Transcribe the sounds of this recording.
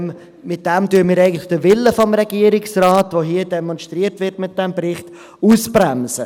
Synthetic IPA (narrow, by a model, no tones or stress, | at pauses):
mɪt̚d̥ɛmtyːəmiːɾɛɪɡəntlɪ̥χd̥əvɪləfɔmɾɛɡiəɾɪksraːtvoɦiədɛmɔnʃtɾiətvɪɾtmɪt̚d̥ɛmbɾɪχt | uːsbɾɛmsə